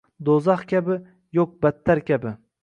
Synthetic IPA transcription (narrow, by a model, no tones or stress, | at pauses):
d̪ozɑχkʲabɪ | jok̚bat̪ʰːaɾkʲʰabɪ